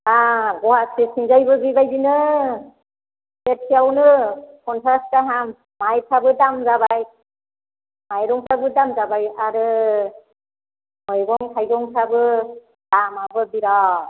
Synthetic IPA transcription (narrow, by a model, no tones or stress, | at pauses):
aɡɔhasʰisnizajbɯbibajbinɯ | set̚sʰiawnɯkʰɔnpʰɾastaɦamː | ajpʰabɯdamzabaj | majɾɔŋpʰabɯdamzabajaɾɯ | ɔjɡɔŋkʰajɡɔŋsʰabɯ | d̥amabɯbiɾa